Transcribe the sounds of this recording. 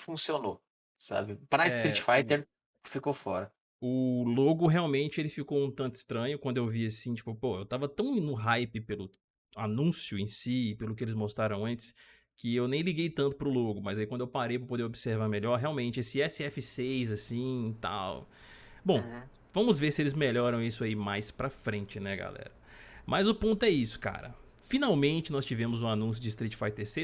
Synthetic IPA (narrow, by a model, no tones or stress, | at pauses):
fũsiono | sa̰bɪpɾɐɪst̪ɾit͡ʃfajt̪eɾ | fikofɔ̰ɾɐ | ʊloɡʊɦeawmẽnt͡ʃɪelɪfikoũt̪ɐ̃nt̪ʊɪ̥st̪ɾɐ̃ɲʊkwɐ̃nd̪ʊewviasĩt͡ʃi̥pʊpoewt̪avɐt̪ɐ̃w̃nʊɦajpɪpelʊ | anũsjʊẽsipelʊkɪelɪzmost̪ɾaɾɐ̃w̃ɐ̃nt͡ʃɪ̥s | kɪewnẽj̃liɡejt̪ɐ̃nt̪ʊ̥pɾʊloɡʊmɐzaikwɐ̃d̪ewpaɾejvowpod̪eobiseɾvaɾmeʎɔɾɦeawmẽnt͡ʃɪesɪɛsɪɛfɪsejzasĩt̪a̰w | bõw̃ | vɐ̃mʊzveɾsɪelɪzmeʎɔɾɐ̃w̃isʊaimajspɾɐfɾẽnt͡ʃɪnɛɡa̰lɛ̰ɾɐmɐzʊpõnt̪ʊɛisʊ̥ka̰ɾɐ̰ | finawmẽnt͡ʃɪnɔst͡ʃivẽmʊzũanũsjʊd͡ʒɪːs̬t̪ɾit͡ʃɪ̥fajt̪ese